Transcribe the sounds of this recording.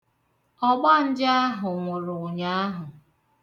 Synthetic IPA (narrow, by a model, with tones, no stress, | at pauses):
ɔ˦ɡ͡ba˦n̩˦d͡ʒɪ˦a˦ɦʊ˨ŋʷʊ˨ɾʊ˨ɲa˨˦a˦ɦʊ˨